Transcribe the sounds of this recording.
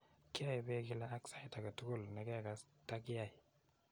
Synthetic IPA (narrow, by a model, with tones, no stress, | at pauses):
ki˦a˦˨jbe˦ɡi˦la˦a˦ksa˦i˦ta˨ɡa˨tu˦ɡu˦lne˨ɡe˦ja˦˨ɡa˨ | ta˦ki˦ja˨